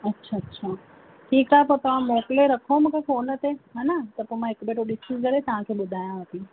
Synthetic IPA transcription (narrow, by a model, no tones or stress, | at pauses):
ɐtːʃʰaɐtːʃʰaː | ʈʰiːkaːɦepoɾt̪ɐʋ̤ãmoːʈleɾɐkʰomũkʰefoːnət̪eɦaːnat̪ɐpomãekbeːʈoɗɪsizkɐɾet̪ɐʋ̤ãkʰeːɓʊd̪ʱaːjãɦət̪i